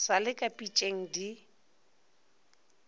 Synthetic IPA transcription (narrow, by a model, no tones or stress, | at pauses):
salɪkʼapʼit͡ʃʼeŋ̩di